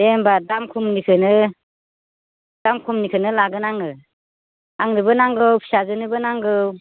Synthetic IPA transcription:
embadamkʰumnikʰɯnɯ | d̥amkʰumnikʰɯnɯlaɡɯnaŋɯ | aŋnɯbɯnaŋɡɯwpʰi̥sazɯnɯbɯnaŋɡɯw

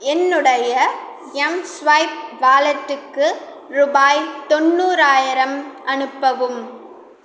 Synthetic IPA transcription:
ɛnːɯɽɐjɐ | ɛmsʋɐjp̚ʋaːlɐʈːɯkːɯ | ɾʊbaːjt̪ɔnːuːɾaːjɪɾɐmʔɐnɯpːɐʋɯm

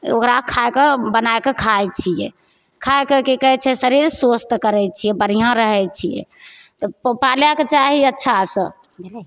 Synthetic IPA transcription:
o̰kɾakʰaekebənajkekʰajt͡ʃʰijɛ̰ | kʰajkekikəɦɛt͡ʃʰɛsəɾiɾsost̪kəɾɛt͡ʃʰijɛbəɾ̤ijãɾəɦɛt͡ʃʰijɛ̰t̪ɔpaljaket͡ʃaɦiətːʃʰasə̰̃

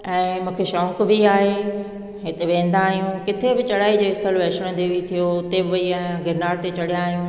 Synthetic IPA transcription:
ɛ̃ːmũːkʰeʃɔ̃ːŋkbiaːɦe | ɦɪt̪eʋẽːn̆d̪aːɦijũkɪt̪ʰebɪt͡ɕɐɽaːid͡ʑoːɪst̪ʰəlʋɛːʃɽ̃ə̃d̪eʋit̪ʰijoʊt̪ebɪʋɐiaːɦãɡɪɾnaːɾt̪et͡ɕɐɽijãːɦijũː

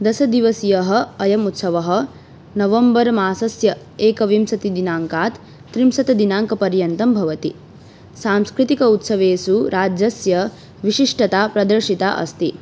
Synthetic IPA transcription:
d̪ɐsɐd̪iʋɐsijɐɦɐ̆ɐjɐmut̪sɐʋɐɦɐ̆ | nɐʋɐmbɐɾmaːsɐsjɐ | eːkɐʋimsɐt̪id̪inaːŋkaːt̪ː | ɾimsɐt̪ɐd̪inaːŋkɐpɐɾjɐnt̪ɐmbʱɐʋɐt̪i | saːmskɾit̪ikɐut̪sɐʋeːsuɾaːd͡ʒɐsjɐ | ʋiʃiʂʈɐt̪aːpɾɐd̪ɐɾʃit̪a̰ːʔɐ̰st̪i

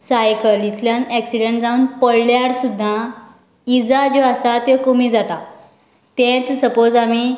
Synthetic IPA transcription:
sajkəlit̪ʰljanɛksiɽeɳʈd͡zauːnpəɽljaɽsud̪ʱːa | id͡zad͡ʑoasat̪ekomiːd͡zat̪a | t̪ẽt͡ssəpod͡zami

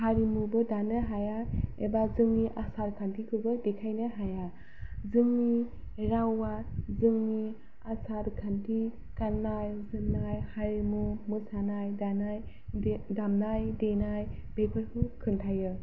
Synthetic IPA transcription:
haɾimubɯdanɯɦajaebazɯŋniʔasaɾkʰantʰikʰɯbɯdekʰajnɯɦaja | zɯŋːi | ɾawazɯŋni | asaɾkʰantʰi | kanːajzɯnnːajhaɾimumusanajdanaj | damnajdenaj | b̥ekʰɯɾkʰɯkʰɯntʰajɯ

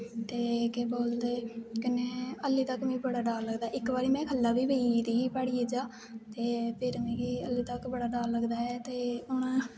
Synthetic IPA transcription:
t̪eːkeboːld̪eːkɪneːəlːiːt̪əkmĩːbəɽaːɖaːlləɡd̪aːɪkbaːɾiːmɛ̃ːkʰəlːaːbiːbeid̪iːiːpaɽiːed͡ʒaː | t̪eːpʰɪɾmĩːɡiːəlːiːt̪əkbəɽaːɖaːlːəɡd̪aːɛːt̪eːʊnãː

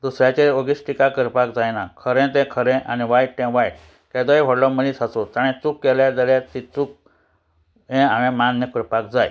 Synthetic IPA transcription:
d̪usɾjat͡ɕeoɡisʈikakəɾpakd͡zajnakʰəɾɛ̃t̪ɛ̃kʰəɾɛ̃ʔaniʋajʈʈɛ̃ʋaj | kɛ̃d̪əjʋʱɔɽlɔməlisat͡sot̪aɽ̃ɛ̃t͡sukːɛljad͡z̪əljat̪it͡suk̚ | ɦɛ̃aɽ̃ẽmanːjəkəɾpak̚d͡zaj

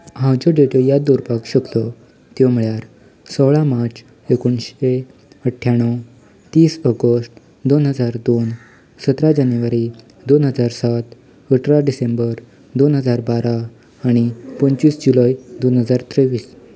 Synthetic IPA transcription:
ɦãwd͡ʑoɖeʈjojad̪uɾpakɕəkt̪ɔ | t̪jɔm̤iɭjaɾ | səwɭamaɾt͡s | ekuɳɕe | əʈʰːjaɳ̃ːəw | t̪iːsɔɡəsʈ | d̪onɦəd͡zaɾd̪on | sət̪ɾad͡ʑanjʋaɾi | d̪onɦəd͡zaɾsat̪ | əʈɾaɖisembəɾ | d̪onɦəd͡zaɾbaɾaː | ɽ̃ipəɲt͡ɕiːsd͡ʑulajd̪onɦəd͡zaɾt̪ɾeʋiːs

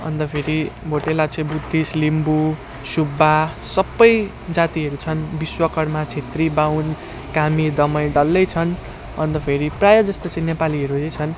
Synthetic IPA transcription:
ʌ̰nt̪ʌpʰeɾibʱoʈelat͡sʰʌ̃j̃bud̪ʱːislimbu | subːasʌbːʌj | d͡zat̪iɦʌɾut͡sʰʌnbiswʌkʌɽmat͡sʰet̪ribawn | kamid̪ʌmʌjɖʌlːʌjt͡sʰʌn | ʌnt̪ʌpʰeɾiprajʌd͡zʌst̪ot͡sʌ̃j̃nepaliɦʌɾujʌ̃jt͡sʰʌn

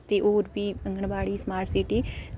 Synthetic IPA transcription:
t̪eːʔoːɾbiːəŋɡəɳbaːɽiːsmaːɾʈʰsiʈiː

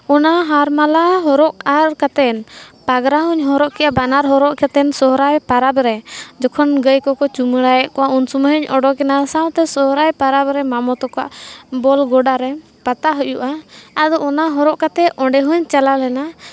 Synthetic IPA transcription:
ɔnaɦaɾmalaɦɔɾɔʔaɾkat̪ɛnpaɡɾaɦuɲɦɔɾɔʔkɛjabanaɾɦɔɾɔʔkat̪ɛnsɔɦɾajpaɾabɾɛd͡ʒɔkʰɔnɡəjkɔkɔt͡ʃuməɽajɛʔkɔaunsuməɦəɲɔɖɔkɛnasaw̃t̪ɛsɔɦɾajpaɾabɾɛmamɔt̪ɔkɔa̰ʔbɔlɡɔɖaɾɛ | pat̪aɦujuʔaad̪ɔʔɔnaɦɔɾɔʔkat̪ɛɔ̃ɳɖɛɦuɲt͡ʃalalɛna

